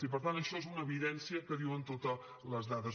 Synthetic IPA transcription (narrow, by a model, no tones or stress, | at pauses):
ipəɾt̪ant̪əʃɔezunəːβiðɛnsiəkəðiwənt̪ut̪ɔ | ləzðaðəz